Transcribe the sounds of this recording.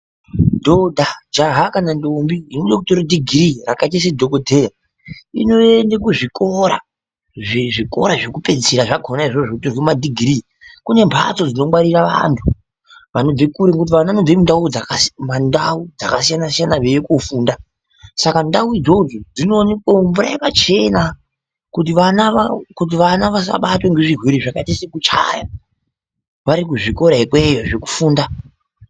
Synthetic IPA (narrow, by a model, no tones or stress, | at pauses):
dʱodʱad͡ʒaɦakanandombiinuɗokutoɾidʱiɡʱrirakat͡ʃes̬edʱo̞kodʱe̞ja | ḭno̞endekuʐiko̞ɾa̰ | ʐiʐiko̞̰ɾaʐekupe̞d͡ziseɾaʐaɡʱo̞naiʐoʐokutirwimadʱiɡʱri | kune̞mpʰat͡so̞d͡zino̞mwaɾiraʋa̰ntʰu | ʋano̞bekuɾeŋkut̬iʋanaanob͡vemundaud͡zakasmandaud͡za̰kas̬ijanasijanaʋejekofuːnda | sakandauid͡zo̞d͡zo̞d͡zino̞nekombuɾa̰ipat͡ʃe̞na | kut̬iʋanakut̬iʋanaʋas̬a̰ɓatweŋɡe̞ʐirwiɾiʐakaitisekut͡ʃa̰ja̰ | ʋaɾikuʐiko̞ɾaikwejoʐe̞ku̥fuːnda